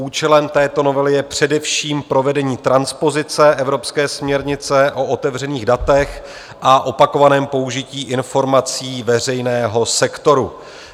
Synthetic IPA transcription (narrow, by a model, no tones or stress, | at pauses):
uːt͡ʃɛlɛmt̪ɛːt̪o̞no̞vɛlɪjɛpr̝̥ɛdɛfʃiːmpɾo̞vɛdɛɲiːt̪ɾanspo̞zɪt͡sɛʔɛvɾo̞pskɛːsmɲɛɾɲɪt͡sɛʔo̞ot̪ɛvr̝ɛniːɣdat̪ɛx | ʔaʔo̞pako̞vanɛːmpo̞uʒɪciːʔɪnfo̞ɾmat͡siːvɛrɛjnɛːɦo̞sɛkt̪o̞ɾu